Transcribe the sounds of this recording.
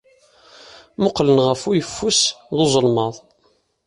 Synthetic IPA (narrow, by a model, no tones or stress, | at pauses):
mʊqlənʁəfʊjəfːusðozˤəlmɑðˤ